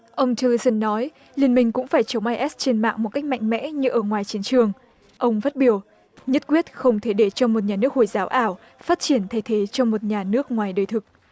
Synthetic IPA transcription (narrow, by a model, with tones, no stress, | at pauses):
ʔə˧wŋ͡mt͡ɕə˧li˧sə˧nːɔ˨˦j | li˨˩ənmï˧˩ŋ̟kʊ̰˧˥ŋ͡mfaː˧˩jt͡ɕə˨˦wŋ͡mʔaː˧jʔɛ˦˥t͡ɕe˧nma̰ː˧˨ŋmo˨˩t̚ka˦˥k̟̚ma̰˧˨ŋ̟mɛ̰˧˥ɲɨ˧ʔəː˧˩ŋwaː˨˩jt͡ɕi˨˦ənt͡ɕɨ˨˩əŋ | ʔə˧wŋ͡mfaː˦˥t̚ɓi˨˧˩əw | ɲə˦˥t̚kwi˦˥ət̚xə˧wŋ͡mt̪ʰe˧˩ɗe˧˩t͡ɕɔ˧mo˨˩t̚ɲaː˨˩nɨ˦˥ək̚ho˧˩jzaː˨˦wʔaː˧˩w | faː˦˥t̚t͡ɕi˧˩ənt̪ʰa˧˩jt̪ʰe˨˦t͡ɕɔ˧mo˨˩t̚ɲaː˨˩nɨ˦˥ək̚ŋwaː˨˩jɗəː˨˩jt̪ʰɨ˨˩k̚